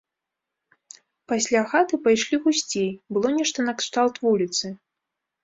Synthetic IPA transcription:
pasʲlʲaxat̪ɨpajʂlʲiɣusʲt͡sʲejbɨlˠɔnʲɛʂt̪ɐnɐkʂt̪alˠt̪vulʲit̪sɨ

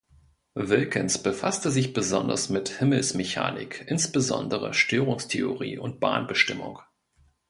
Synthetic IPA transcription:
vɪlkʰənsb̥əfastəzɪçb̥əzɔndɐ̰smɪthɪml̩smeça̰ːnɪ̰kʰʔɪnsb̥əzɔ̰ndəʁə̰ʃtʰøːʁʊŋstʰeoʁḭːʔʊnt̚b̥a̰ːnbəʃtɪmʊ̰ŋ

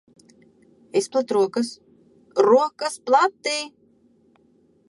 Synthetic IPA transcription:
isplˠat̪ɾuɔkas | ɾuɔkasplˠat̪ːiː

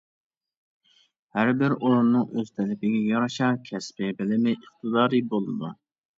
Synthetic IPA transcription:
hæɾbɪɾoɾunːɨŋøz̥t̪ʰɛlɪpɪɡʲɛjɑɾɑʃɑkʲʰɛspɪbɪlɪmɪʔəχt̪ʰɨd̪ɑːɾibolˠɨd̪u

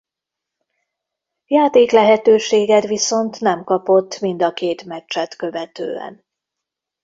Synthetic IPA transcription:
jaːt̪eːklɛɦɛt̪øːʃeːɡɛt̪ʋiso̞nt̪nɛmkɒpo̞t̪ːmind̪ɒkeːt̪mɛt͡ʃt͡ʃːɛt̪køvɛt̪ø̰ːɛ̰n

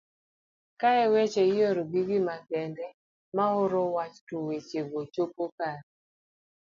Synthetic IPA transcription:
kaɛwet͡ʃejoɾoɡiɡimakɛndɛ | maʊɾɔwat͡ʃtowet͡ʃeɡot͡ʃopokaɾ

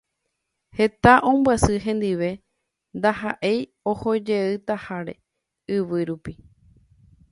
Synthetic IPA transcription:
he̞t̪aʔõ̞mbwasɨɦẽ̞nd̪iʋe̞ | nd̪ahaʔe̞j | o̞ho̞d͡ʒe̞ɨt̪ahaɾe̞̰ | ɨʋɨɾupi

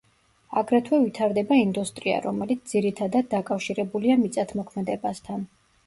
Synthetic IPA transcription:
aɡɾɛt̪ʰwɛvit̪ʰaɾd̪ɛbaind̪ust̪ʼɾia̰ɾɔmɛlit̪s̚ʰd̪ziɾit̪ʰad̪ad̪̚ːakʼafʃiɾɛbuliamit̪sʼat̪ʰmɔkʰmɛd̪ɛbast̪ʰan

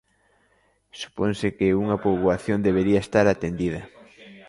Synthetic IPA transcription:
su̥ponsɪkeuŋɐpoβwaθjond̪eβeɾiɐest̪aɾat̪end̪iðɐ

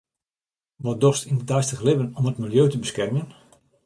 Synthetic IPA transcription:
ʋɔdɔstinətɛjstəxlɪvənɔmətmilˠjøːtəbəskɛrmən

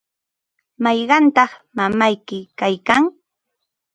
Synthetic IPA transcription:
mɑjɢɑnt̪ɑχmamajkɪkajkaŋ

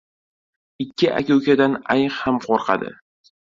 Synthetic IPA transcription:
ɪkʲːɪʔa̰kʲowkʲad̪anajχhamqʰoɾqʰɑ̰d̪ɪ̰

